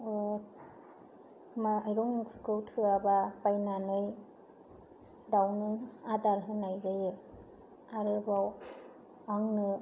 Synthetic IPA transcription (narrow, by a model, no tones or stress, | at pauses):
maajɾɔŋipʰɯkʰɯwtʰɯabapajnanɯj | dawnɯadaɾɦɯnajzajɯ | aɾɯbaw | aŋnɯ